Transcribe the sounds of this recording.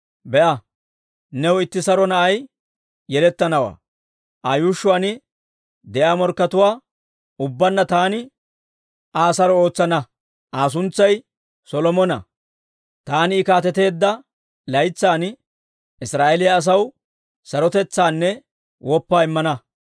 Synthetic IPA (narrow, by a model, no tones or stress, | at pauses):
bɛʔɐ | nɛwɪt̪ːɪsɐɾɔnɐʔɐj | jɛlɛt̪ːɐnɐwa̰ː | ʔɐjuːʃːʊwaːnɪ | d̪ɛʔaːmɔɾkːɐt̪ʊwaː | ʊbːɐnːɐt̪aːnɪ | ʔaːsɐɾɔo̞ːt͡sːɐnɐ | ʔaːs̬ʊnt͡sːɐj | sɔlɔmɔnɐ | t̪aːnɪːkaːt̪ɛt̪e̞ːd̪ːɐ | lɐjt͡sːaːn | ɪsɾaːʔelɪjɐːs̬ɐw | sɐɾɔt̪ɛt͡sːaːnːɛ | wʔɔpːaːɪmːɐnɐ